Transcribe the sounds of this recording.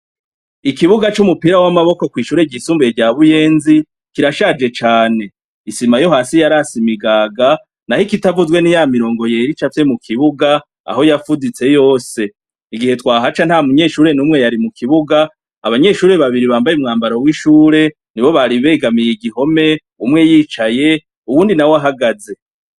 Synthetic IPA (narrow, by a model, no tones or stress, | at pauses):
ikiβuɡat͡ʃumupiɾawamaβo̞ko̞kwiːʃuːɾeɟisuːmbeeɟaβujeːnzi | kiɾaʃad͡ʒe̞t͡ʃaːne̞ | isimajo̞ɦasijaɾasimiɡaɡa | nahikitavuzɡwe̞nijamiɾo̞ːŋɡo̞jeɾit͡ʃafjemukʰiβuɡa | a̰ho̞jafudit͡se̞jo̞ːse̞ | iɡihe̞twaːɦat͡ʃan̥hamuɲe̞ʃuːɾe̞nuːmŋe̞jaɾimukʰiβuɡaː | βaɲe̞ʃuːɾe̞βaβiɾiβaːmbajumŋaːmbaɾowiʃuːɾe̞ | niβo̞βaɾiβe̞ːɡamijiɡiho̞me̞ | umŋe̞jiːt͡ʃaje̞ | uβuːndinawaɦaɡaze̞